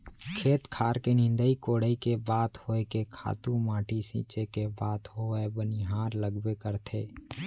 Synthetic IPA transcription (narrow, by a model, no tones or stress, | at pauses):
kʰeːt̪kʰaːɾkenɪ̃nd̪əikoːɽəikebaːt̪hoːekekʰa̰ːt̪ũmãːʈʰisḭːt͡ʃekebaːd̪hoːebənɪɦaːɾləɡbekəɾt̪ʰḛː